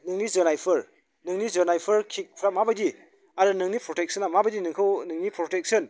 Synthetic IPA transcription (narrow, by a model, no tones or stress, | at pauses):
nɯŋnizɔnajpʰɯɾ | nɯŋnizɯnajpʰɯɾkʰik̚pʰɾamabadi | aɾɯnɯŋnipɾɔtek̚sɐnamabadinɯŋkʰɯwnɯŋnipɾɔtek̚sɯn